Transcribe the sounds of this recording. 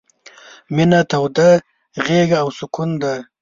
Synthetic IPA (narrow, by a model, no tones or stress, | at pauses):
mɪnat̪awd̪a | ɣeɡaːwsʊkʰʊnd̪a